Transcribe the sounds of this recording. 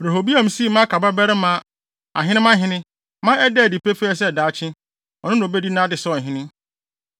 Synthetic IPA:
ɾe˨ɦo˨bi˦a˦m̩˨si˦˨mã˦kʰa˨ba˦bɛ˦ɾɪ˦mã˨˦ | a̰˨ɦɪ̃˦nɪ̃˦mã˦ɦɪ̃˦nɪ̃˦ | mã˦ɛ˦dɛ˦˨di˨pe˦fɛ˦ɛ˨s̬ɛ˦˨daː˨˦t͡ɕʰɪ̃˦ | ɔ̰˨nʊ̃˦nʊ̃˨be˦di˦nã˦dɪ˨sɔ˦˨ɦɪ̃˦nɪ̃˦

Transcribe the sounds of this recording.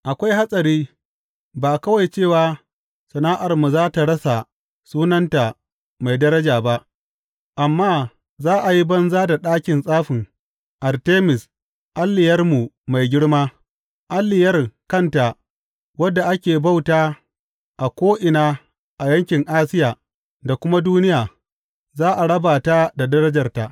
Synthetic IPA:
ʔa˨kʷa˦jha˦sʼɐ˨ɾiː˦ | baː˨kɐ˦wa˨jt͡ʃeː˦˨waː˦ | sɐ˨naː˦ʔa˨rmu˨zaː˦ta˨ɽɐ˦sa˨ | suː˦nɐ˦nta˨ | ma˨jdɐ˦ɾɐ˦d͡ʒaː˨ba˦ʔ | ʔa˨mːaː˦ | zaː˦ʔa˨ji˦bɐ˦nzaː˦da˨ɗaː˦kʲɪ˨nsʼaː˦ɸɪ˨ŋ | ʔa˨rteː˦mɪ˨s | ʔa˦lːɪ˨jɐ˦rmu˨ma˨jɡʲɪ˦ɽmaː˦ | ʔa˦lːɪ˨jɐ˦rkɐ˦nta˨ | wɐ˦dːa˨ʔa˦kʲeː˨ba˦˨wtaː˦ | ʔa˨kʷoː˦ʔɪ˨naː˦ | ʔa˨jɐ˦ŋkʲɪ˨ŋʔaː˦sɪ˦jaː˨ | da˨kʷʊ˦ma˦duː˦nɪ˦jaː˨ | zaː˦ʔa˨ɽɐ˦baː˨ta˦da˨dɐ˦ɾɐ˦d͡ʒɐ˨rta˨ʔ

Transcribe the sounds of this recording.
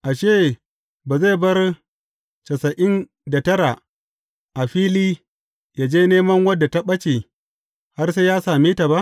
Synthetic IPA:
ʔa˨ʃeː˦ | ba˨za˦˨bɐ˦r | t͡ʃɐ˨sɐ˨ʔɪ˦n | da˨tɐ˦ɾa˨ | ʔa˨ɸiː˦liː˦ | ja˨d͡ʒeː˦neː˦mɐ˦ŋwɐ˦dːa˨ta˦ɓɐ˦t͡ʃe˨ | ha˦rseː˦jaː˦saː˨miː˦ta˨ba˦ʔ

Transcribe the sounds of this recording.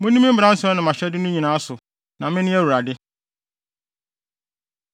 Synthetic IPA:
mʊ̃˦nĩ˦mĩ˦m̩˦bã˦n̩˦sɛ˦nʊ̃˨mã˨ɕᶣɛ˦dɪ˦nʊ̃˦ɲĩ˨nãː˨˦a˦sʊ˨ | nã˨mɪ̃˦nɪ̃˦æ˦wu˨ɾa˨dɪ˦

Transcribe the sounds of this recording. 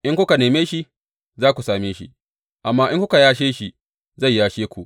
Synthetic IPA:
ʔɪ˦ŋkʷʊ˦ka˨neː˨meː˦ʃi˦ʔ | zaː˦kʷu˨saː˨meː˦ʃḭ˦ | ʔa˨mːaː˦ʔɪ˦ŋkʷʊ˦ka˨jaː˦ʃeː˦ʃi˦ | za˦˨jjaː˦ʃeː˦kʷu˨ʔ

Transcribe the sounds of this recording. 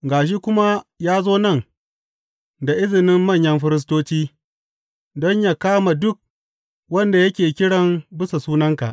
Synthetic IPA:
ɡaː˨ʃ̬i˦kʷʊ˦ma˦jaː˦zoː˦nɐ˦˨ŋ | da˨ʔɪ˦zɪ˨nɪ˦mːɐ˦˨ɲjɐ˦mɸɪ˦ɾɪ˦s̬toː˦t͡ʃiː˦ | dɔ˦ɲja˦kaː˦ma˨dʊ˦k̚ | wɐ˦nda˨jɐ˦kʲeː˨kʲɪ˦ɽɐ˦mbɪ˦sa˨suː˦nɐ˦ŋka̰˨ʔ

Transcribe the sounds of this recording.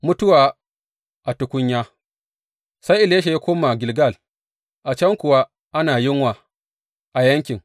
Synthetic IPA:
mʊ˦tʊ˦waː˨ | ʔa˨tʊ˨kʷʊ˦ɲjaː˦ | sa˦jʔɪ˨leː˦ʃ̬e˨ja˦kʷoː˦ma˨ɡʲɪ˨lɡa˦˨l | ʔa˨t͡ʃɐ˦ŋkʷʊ˨wa˦ | ʔa˦naː˨jɪ˦ŋwaː˨ | ʔa˨jɐ˦ŋkʲɪ˨ŋ

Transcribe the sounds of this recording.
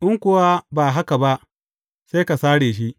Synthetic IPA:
ʔɪ˦ŋkʷʊ˦˨wa˦baː˨ɦa˦ka˨ba˦ʔ | seː˦ka˨saː˦ɽeː˨ʃ̬i˦ʔ

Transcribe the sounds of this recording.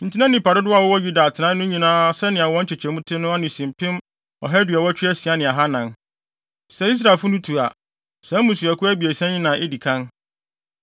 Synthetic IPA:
n̩˨tʰi˦nã˦nɪ̃˨pa˨ɾʊ˦dʊ˦a˨wɔ˦wɔ˦ju˦da˨tʰɪ˨nã˦nʊ̃˦ɲĩ˨nãː˦sɛ˦nɪ̃˨a˨wɔ̃˦ɲ̩˦t͡ɕʰɪ˨t͡ɕʰɛ˨mũ˦tʰɪ̃˦nʊ̃˦a˦nɪ̃˨sĩ˨m˨pʰɪ̃˦m | ɔ̰˨ɦɛ˦dɥɛ˨wɔ˦t͡ɕᶣɪ˦ɛ˦si˨a˦nɪ̃˨a˨ɦa˦nã˨n | sɛ˨˦i˦s̬ɾaː˨lfʊ˦nʊ̃˦tʰu˨a˨ | sɛ̃˦mũ˨sɥɛ˨kʰʊ˦æ˦bi˨e˨sɛ̃˦ɲɪ̃˦nã˨ʔɪ˦di˨kʰã˦n

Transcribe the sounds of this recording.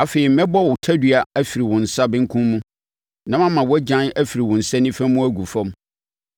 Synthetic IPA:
a˨fe˨ɾi˨m̩˦mɛ̃˦bɔ˦˨wʊ˨tʰæ˦dɥa˨æ˦fi˨ɾi˨wʊ̃˨n̩˨sa˦bɪ̃˦ŋ̩˦kʰũ˦nmũ˦ | nã˦mã˦mːã˨wɔ˦d͡ʑã˦næ˦fi˨ɾi˨wʊ̃˨n̩˨sɛ˦nɪ̃˦fæ̃˦mũ˦æ˦ɡu˨fɔ̃˦m

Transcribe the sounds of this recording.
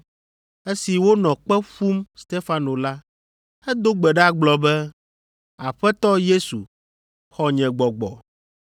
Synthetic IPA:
e˦si˨wo˦nɔ̃˨k͡pɛ˦ɸu˦mst̪e˦fa˦no˨la˦ | ɛ˦d̪o˦ɡ͡bɛ˨ɖɛ˦a˦ɡ͡blɔ˨bɛ˦ | a˨ɸɛ˦t̪ɔ˦je˦su˨ | xɔ˦ɲɛ̃˨ɡ͡bɔ˨ɡ͡bɔ̰˨

